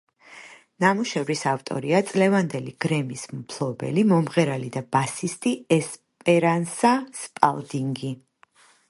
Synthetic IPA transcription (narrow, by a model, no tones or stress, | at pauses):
namuʃɛvɾisaft̪ʼɔ̰ɾiat̪sʼlɛvand̪ɛliɡ̥ɾɛmismpʰlˠɔbɛ̰limɔmʁɛɾalid̪abasist̪ʼiɛs | pʼɛɾansaspʼa̰lˠd̪iŋɡi